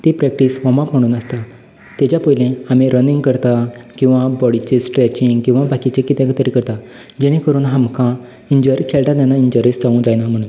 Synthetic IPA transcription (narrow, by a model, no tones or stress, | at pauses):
t̪ipɾɛk̚ʈiːsʋɔmapm̤əɽ̃uːnəst̪a | t̪ɛt͡ɕjapəjlẽamĩɾəniŋɡkəɾt̪akĩw̃ʋabɔɽit͡ɕesʈɾɛt͡ɕiŋɡkĩw̃ʋabakit͡ɕẽkit̪jãkt̪əɾikəɾt̪a | d͡ʑeɽ̃ĩkəɾuːnɦamkʰã | iɲd͡ʑəɾikʰelʈ̪at̪janːaiɲd͡ʑəɾisd͡zaũd͡zajnam̤əɽ̃ũːn